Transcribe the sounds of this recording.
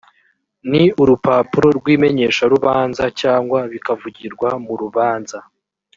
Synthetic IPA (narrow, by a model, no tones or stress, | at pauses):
niuɾupaːpuɾo̞ɾɡwiːme̞ɲe̞ːʃaɾuβaːnzacaːŋɡwaβikavuɟiɾɡwamuɾuβaːnza